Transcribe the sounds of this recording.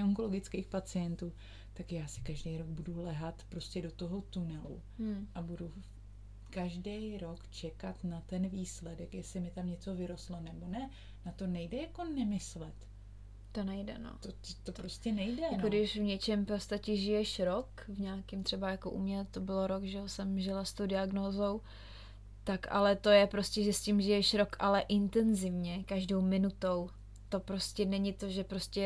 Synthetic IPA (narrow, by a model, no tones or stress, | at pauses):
oŋkolo̞ɡɪt͡skeːxpat͡sɪjɛnt̪uː | t̪akjaːsɪ̥kaʒdɛjɾoɡ̚budulɛɦat̪pɾo̞scɛdo̞t̪o̞ɦo̞t̪unɛlṵ | ʔabudu | kaʒdɛjɾo̞kt͡ʃɛkat̪nat̪ɛnviːslɛdɛkjɛslɪmɪt̪amɲɛt͡so̞vɪɾost̪lo̞nɛbo̞nɛ | nat̪o̞nɛjdɛjako̞nɛmɪslɛt̪ | t̪o̞nɛjdɛ̰no̰ot̪oɾoscɛnɛjdɛkodɪʃvɲɛt͡ʃɛmpost̪acɛʒɪjɛʃɾokvɲaːkɪmt̪r̥ɛbajako̞ʔṵmɲɛt̪o̞bɪloɾokʒɛosɛmʒɪlast̪owdɪaɡnoːzo̞w | t̪aka̰lɛt̪o̞jɛpɾo̞scʲɛʒɛscɪmʒɪjɛʃɾo̞kʔalɛʔɪnt̪ɛnzɪvɲɛkaʒdo̞wmɪnut̪o̞w | t̪o̞pɾo̞scɛnɛɲɪt̪o̞ʒɛpɾoscɛ